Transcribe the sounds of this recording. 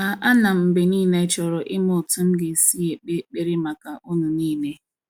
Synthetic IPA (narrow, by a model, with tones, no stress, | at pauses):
a˨ʔa˦na˨m̩˨m̩˨be˨niː˦˨ne˦t͡ʃɔ˨ɾɔ˨ʔɪ˦mʊ˨tu˦m̩˦ɡɪ˨si˦e˨k͡pe˦k͡pe˦ɾɪ˦ma˨ka˨ʔu˦nu˨niː˦ne˦